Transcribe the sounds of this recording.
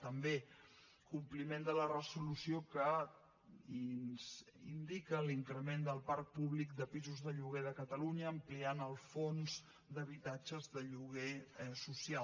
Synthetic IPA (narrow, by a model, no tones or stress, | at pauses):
t̪əmbe | kumplimend̪ələrəzulusiokə | nz̥ḭnd̪ikəliŋkɾəmend̪əlˠpaɾk̚puβlik̚d̪əpizuzðəʎuɣ̞eðəkət̪əluɲəːmplianəlˠfonz̥ | d̪əβ̞it̪ad͡ʒəzðəʎuɣesusia